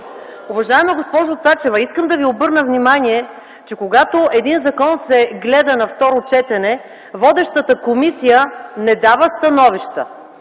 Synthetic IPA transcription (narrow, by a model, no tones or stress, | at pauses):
ʊvɐʒaɛmɐɡospɔʒot̪sat͡ʃɛvəiskəmd̪ɐviobɤɾnəvnimaniɛ | t͡ʃɛkoɡat̪oɛd̪inzɐkɔnsɛɡlɛd̪ənɐft̪ɔɾot͡ʃɛt̪ɛnɛ | vɔd̪ɛʃt̪ət̪əkomisijənɛd̪avəst̪ɐnɔviʃt̪ə̰